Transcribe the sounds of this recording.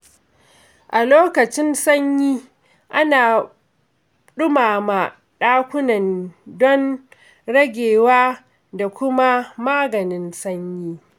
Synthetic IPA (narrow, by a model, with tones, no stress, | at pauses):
ʔa˨loː˦kɐ˨t͡ʃɪ˦nsɐ˦ɲjiː˦ | ʔa˦naː˨ | ɗʊ˦maː˨ma˨ | ɗaː˦kʷʊ˦nɐ˨ndɔ˦n | ɽɐ˦ɡʲeː˨waː˦ | da˨kʷʊ˦ma˦maː˦ɡɐ˨nɪ˦nsɐ˦ɲjiː˦